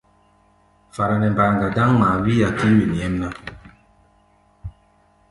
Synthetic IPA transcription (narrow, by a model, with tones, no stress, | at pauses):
fa˨ɾa˨nɛ˨m˨ba˨ɾŋɡa˨da˦ŋma˨wi˦ja˨ki˦wi˨n˨ɛ˦mna˦